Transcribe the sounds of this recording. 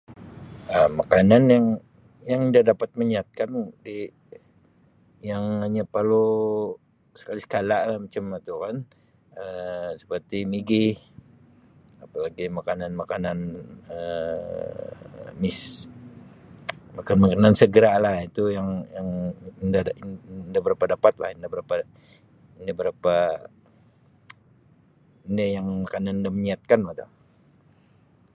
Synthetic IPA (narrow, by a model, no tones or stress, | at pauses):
əmakananjaŋ | jaŋəndadapat̪̚məɲiat̪̚kandi | jaŋhaɲapərlo | sə̥kalisə̥kalaʔlahmat͡ʃamat̪ukan | əsə̥pərt̪imiɡi | apalaɡimakananmakananə | mɪs | makanmakanansəɡəɾalahit̪ujaŋjaŋndandabəɾapadapat̪̚la̰hindabəɾapa | indabəɾapa | indajaŋmakananindaməɲiat̪̚kanmat̪a̰